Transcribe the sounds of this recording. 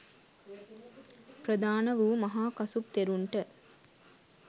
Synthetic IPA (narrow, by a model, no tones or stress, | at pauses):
prəd̪aːnəʋuːmɐɦaːkɐsup̚t̪eɾuɳʈə